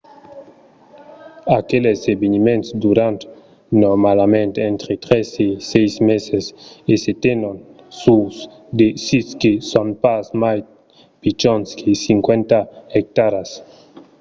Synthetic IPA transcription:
akelesebenimẽnt̪sd̪uɾant̪ | noɾmalamẽnt̪ent̪ɾet̪ɾesesejsmeseseset̪enon | sus | d̪esiskesonpasmaj | pit͡ʃonskʰesiŋkwent̪aɛk̚t̪aɾas

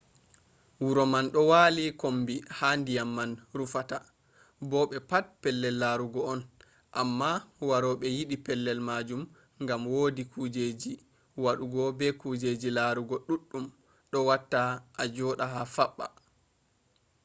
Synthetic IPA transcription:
wuɾɔmanɗɔwalikombihandijamːanɾufata | bɔɓɛpat̚pɛlːɛlːaɾuɡɔɔn | ʔamːawaɾɔɓɛjiɗipɛlːɛlmad͡ʒum | ŋɡamwoːdikʰud͡ʒed͡ʒi | waɗuɡɔbɛkuːd͡ʒed͡ʒilaɾuɡɔɗuɗːum | ɗɔwatːaʔad͡ʒɔɗaɦafaɓːa̰

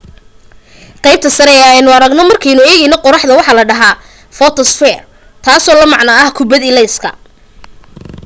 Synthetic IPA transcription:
qɑjb̚t̪ʰɐsɐɾɛɛjnʊɐɾɐɡnɔmɐrkʰɛjnʊɛːɣɛjnɔqɔɾɑħd̪ɐwɑħɑlɐɖɐɦaː | fɔt̪ʰɔsfɛːr | t̪ʰaːsɔːlɐmɑʕnɐɐhkʰʊbɐd̪ɪlɛjskʰɐ

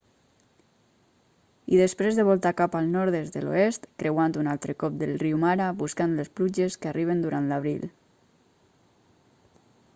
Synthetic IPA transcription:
iðəspɾezðəβɔlˠt̪akapalˠnɔɾðezd̪əlo̰est̪kɾʔewant̪unalˠt̪ɾəkɔp̚d̪elˠriwmaɾabuskant̪lesplud͡ʒeskariβənd̪uɾant̪laβɾḭl

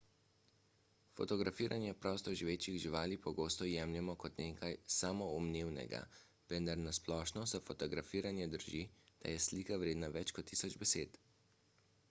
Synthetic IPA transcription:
fɔt̪ɔɡɾafiːɾʔanjɛpɾɔːst̪ɔʒiʋeːt͡ʃiɣʒiʋaːlipɔɡoːst̪ɔjɛːmljɛmɔkɔt̪neːkʰajsaːmɔɔmneːwnɛ̰ɡa̰ | ʋɛnd̪aɾnasplɔːʃnɔsɛfɔt̪ɔɡɾafiːɾanjɛd̪əɾʒid̪̥a̰jɛsliːkaʋɾeːd̪naʋɛt͡ʃkɔt̪ʰːisɔd͡ʒbɛseːt̪

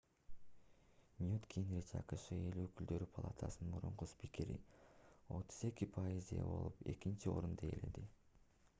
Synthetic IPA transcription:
nʲjut̪kʲʰinɾit͡ʃɑ̰qɯʃɯe̞løkyld̪ø̞ɾypʰɐlˠa̰t̪ʰasnmuɾuɴquspikʲeɾḭ | o̞̰t̪ʰu̥ze̞kipʰajizḛbo̞̰lˠupe̞kint͡ʃio̞ɾund̪ejele̞d̪i

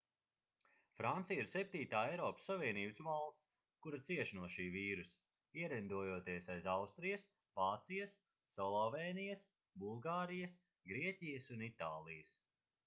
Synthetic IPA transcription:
fɾant̪sijiɾsɛp̚t̪iːt̪aːɛjɾɔːpə̥sːavʲiɛniːbɨsvalˠs | kuɾat̪siɛʃnuɔʃiːviːɾus | iɛɾɛnd̪uɔjuɔt̪iɛsajzawst̪ɾijɐs | vaːt̪sijɐsː | ɔlˠɔvɛːnijɐs | bulˠɡaːɾijɐs | ɡɾiɛcijɐsunit̪aːlˠijəs

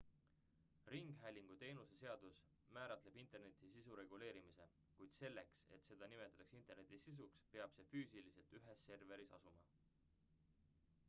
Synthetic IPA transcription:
riŋɡ̥ɦæjlʲiŋɡ̥ut̪e̞ːnusese̞ɑd̪̥us | mæːɾɑt̪le̞b̥int̪ˑe̞rne̞t̪ːˑisisuɾe̞ɡ̥ule̞ːɾimise̞ | kujd̪̥se̞lːekse̞̰t̪se̞d̪̥ɑnimet̪ːˑɑt̪ɑksint̪ˑe̞rnet̪ːˑisis̬ukspe̞ɑb̥se̞fyːsilise̞lt̪yɦe̞sːe̞rve̞ɾisɑ̰sumɑ̰

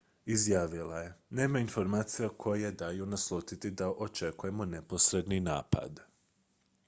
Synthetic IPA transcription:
izjaːʋilaje̞ne̞ːmainfo̞ɾmaːt̪sijakʰo̞jejed̪aːjunaslˠot̪it̪id̪aʔot͡ʃe̞kuje̞mo̞ne̞po̞sɾed̪ninaːpa̰d̪

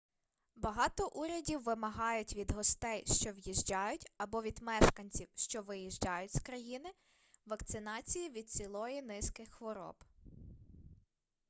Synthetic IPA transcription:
bɐɦɑt̪ɔʔuɾʲɐdʲiwːɪmɐɦɑjʊtʲʋʲid̪ɦɔst̪ɛjʃt͡ʃɔʋjiʒd͡ʒɑjʊtʲɐbɔʋʲid̪mɛʃkɐnʲt͡sʲiwʃt͡ʃɔʋɪjiʒd͡ʒɑjʊtʲskɾɐjinɪ | ʋɐkt̪sɪnɑt͡sʲijiʋʲid̪̚sʲilˠɔjinɪskɪxxʋɔɾɔ̰b

